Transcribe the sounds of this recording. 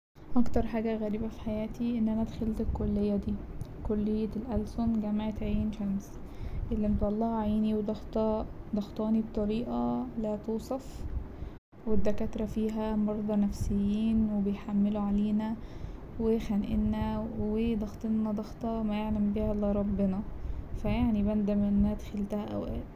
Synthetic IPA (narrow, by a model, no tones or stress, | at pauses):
ʔɑkt̪ɑɾˤħaːɡæɣæɾiːbæfi̥ħajæːt̪iʔenːʔænæd̪xelt̪ekolːejːæd̪iː | kolːejːelʔælsonɡæmaʕet̪ʕiːnʃæms | ʔelːiʔent̪wɑlˤːɑːhʕajiːniwed̪ɑxt̪ɑd̪ɑxt̪ˤɑːnib̚t̪ˤɑɾiːʔælæːt̪uːsˤɑf | wed̪ːækæt̪ɾˤɑfiːɦæmɑɾˤd̪ˤɑnæfsejːiːnwebejħamːeluʕaleːnæ | wexænʔḛnːæwed̪ˤɑxt̪ˤenːɑd̪ˤɑxt̪ˤɑmæjeʕlæmbihælɪɾˤɑbːenɑfæjaʕnibænd̪æmænːæːd̪xelt̪æhæʔæ̰wʔæːd̪